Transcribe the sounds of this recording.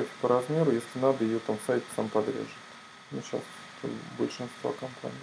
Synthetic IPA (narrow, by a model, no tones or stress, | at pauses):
ofʲɪ̥pəɾɐzmʲe̞ɾʊjesʲlʲɪnad̪əjɪjot̪amsajt̪ʲsampɐd̪ɾʲḛʐɨt̪ | nʲʊt͡ɕa̰st̪ | t̪ʰo̰bəlʲʂɨnst̪va̰kɐmpʰa̰nʲij